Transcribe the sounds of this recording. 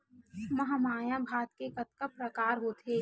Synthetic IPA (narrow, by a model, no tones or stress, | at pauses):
mɐɦamaːjãbʱaːt̪kekɐt̪kəpɾɐkaːɾɦoːt̪eː